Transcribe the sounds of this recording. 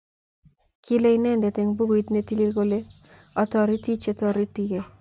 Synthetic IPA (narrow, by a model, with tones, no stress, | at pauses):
kʰi˦le˦i˦nɛ˦nde˨te˨ŋbu˦ɡo˨i˦t̪ne˦ti˦li˦ɡo˦le˦ | ɔ˦tɔ˦˨ɾi˦ti˦t͡ʃe˦tɔ˦ɾi˦ti˦e˨